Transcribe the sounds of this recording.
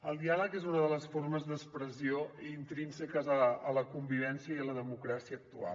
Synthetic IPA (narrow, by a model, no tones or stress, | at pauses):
əlˠd̪ialəkezunəðələsfoɾməzðəspɾəzioiːnt̪ɾinsəkəzəːləkumbiβ̞ɛnsiəiələðəmukɾasiəːk̚t̪ua̰l